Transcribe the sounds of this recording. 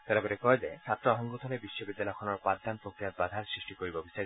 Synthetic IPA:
t̪ɛɾabɔɾekɔɦed͡ʒet͡ʃʰat̪ːɾoɔɦɔŋɡut̪ʰɔlebiʃːobid̪ːalɔjɔkʰɔnɔɾpad̪ʱːanpɾokɾijat̪̚bad̪ʱaɾsɾisʈikoɾibɔbisa

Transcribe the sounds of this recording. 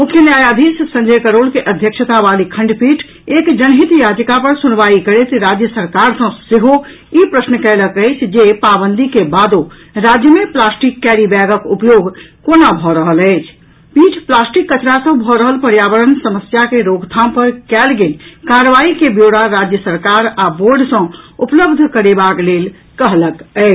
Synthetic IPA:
mukʰjənjajad̪ʱissə̃ɲd͡ʒəkəɾolkeʔəd̪ʱjəkʃət̪abalikʰə̃ɳɖpiʈʰ | ekd͡ʒənɦit̪jad͡ʒkapəɾsunʋaikəɾet̪ɾad͡ʒjəsəɾkaɾsə̃seɦo | ipɾəsnkɛləkəɪt͡ʃʰd͡ʒepabənd̪ikebad̪o | ɾad͡ʒjəmeplasʈikːɛɾibɛɡəkupjoɡkonabʱɔɾəɦələɪt͡ʃʰ | bit͡ʃʰplasʈikːət͡ʃɾasə̃bʱɔɾəɦəlpəɾjaʋəɾənsəməsjakeɾoɡt̪ʰãmpəɾkɛlɡelkaɾəʋaikebjoɽaɾad͡ʒjəsəɾkaɾaboɾɖsə̃upləbd̪ʱkəɾebaklel | kəɦləkɛɪ

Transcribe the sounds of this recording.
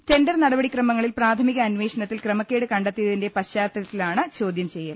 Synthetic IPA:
te̞ndɐrnɐɽɐbɐɽikrɐmɐŋːɐɭilpraːt̪ʰɐmiɣɐːnʋe̞ːʂɐɳɐt̪ːilkrɐmɐkːe̞ːɽɨkɐɳɖet̪ːijɐðinde̞pɐɕaːt̪ːɐɐt̪ːilaːɳɨt͡ɕo̞ːd̪jɐmt͡ɕejːɐl

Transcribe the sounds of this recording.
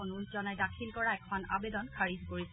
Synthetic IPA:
nulzɔnɛɹdakʰilkɔɹaɛkʰɔnabed̪ɔnkʰaɹizkoɹis

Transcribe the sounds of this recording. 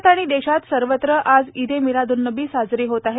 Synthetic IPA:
t̪aɽ̃id̪eɕat̪səɾʋət̪ɾəʔad͡zid̪ʱemiɾad̪unːəbiːsad͡zɾiːɦot̪aɦe

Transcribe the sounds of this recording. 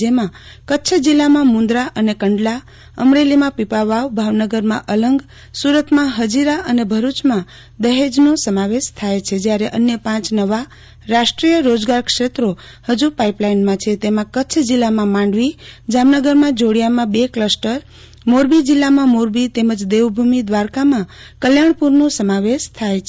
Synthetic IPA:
emã | kətːt͡ʃʰd͡ʒilːamãmũnd̪ɾaʔənekəɳɖla | ə̰mɾelimãpipaʋaʋbʱaʋnəɡəɾmãʔələŋɡ | suɾət̪mãɦəd͡ʒiɾaʔənebʱəɾut͡ʃmã | d̪əɦed͡ʒnosəmaʋeʃt̪ʰajt͡ʃʰed͡ʒjaɾeʔənjəpãt͡ʃnəʋa | ɾaʃʈɾijəɾod͡ʒɡaɾkʂet̪ɾo | həd͡ʒupaiplajnmãt͡ʃʰet̪emãkət͡ʃʰd͡ʒilːamãmãɳɖʋid͡ʒamnəɡəɾmãd͡ʒoɽjamãbekləsʈəɾ | moɾbid͡ʒilːamãmoɾbit̪eməd͡ʒd̪eʋbʱumid̪ʋaɾkamã | kəljaɳ̃puɾnũsəmaʋeʃt̪ʰajt͡ʃʰ

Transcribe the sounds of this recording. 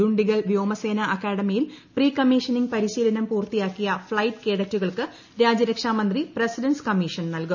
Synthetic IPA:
uɳɖiɣɐlʋjoːmɐse̞ːnɐʔɐkːaːɽɐmijilpriːkɐmːiːʂɐniŋɡpɐɾiɕiːlɐnɐmpuːrt̪ijaːkːijɐfɭɐjʈke̞ːɽɐtːuɣɐɭkɨ | ɾaːd͡ʑɐɾɐkʂaːmɐnd̪ripresidɐnskɐmiʂɐnnɐlku

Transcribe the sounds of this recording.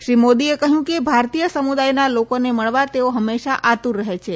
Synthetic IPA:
ʃɾimod̪iekəɦjũkebʱaɾt̪ijəsəmud̪ajnalokoneməɭʋat̪eoɦəmːeʃaʔat̪uɾːəɦet͡ʃʰe

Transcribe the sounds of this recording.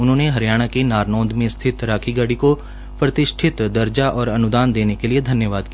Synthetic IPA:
ʊnɦõːneɦɐɾjaːɽ̃akenaːɾnɔ̃ːd̪mẽst̪ʰɪt̪ɾaːkʰiɡəɽiko | pɾɐt̪ɪʃʈʰɪt̪d̪ɐɾd͡ʒaʔɔːɾɐnʊd̪aːnd̪eːnekelied̪ʱɐnjəʋaːd̪ki

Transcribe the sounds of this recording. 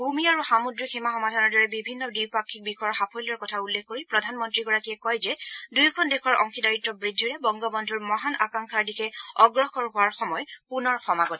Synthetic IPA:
bʱumiaɹuxamudɹiximaxɔmadʱanɔɹdɔɹɛbibʱinːɔdiwpakʰːik̚bikʰɔjɔɹxapʰɔjlɔɹkɔtʰaulːekʰkːoɹipɹɔdʱanmɔntɹiɡɔɹakiɛkɔjzɛdujkʰɔndekʰɔɹʔɔ̰ŋxʰidaɹitːɔbɹidʱːiɹɛbɔŋɡɔbɔndʱuɹmɔɦanʔa̰kaŋkʰaɹdikʰɛɔɡɹɔkɔɹɦʊaɹxɔmɔjpunɔɹxɔmaɡɔt

